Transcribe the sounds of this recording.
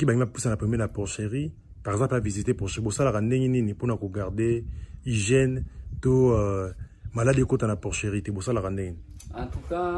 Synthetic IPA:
kibaiapusanapemenapɔʁʃeʁi | paʁɛɡzɑ̃plavizitepɔʃeʁibosalakandeŋɡeniniponakoɡaʁdeiʒjɛnto | maladekotanapɔʁʃeʁitebosalakandeŋɡent̪uka

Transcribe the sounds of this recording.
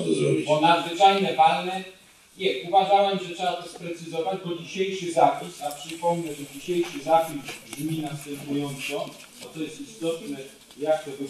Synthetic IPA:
bɔnad̪zvɘt͡ʂajnɛvalnɛ | ɲʲɛuvaʐawɛmʐɛtʂɛbat̪ɔspɾɛt̪sɘzɔvad͡ʑbɔd͡ʑiɕejʂɘzapʲisapʂɘpɔmnɛʐɛd͡ʑiɕejʂɘzapʲisɡ̪mʲinast̪ɛmpujɔnt̪sɔ | bɔt̪ɔjɛst̪ist̪ɔt̪nɛ | jaxt̪ɛbɪ

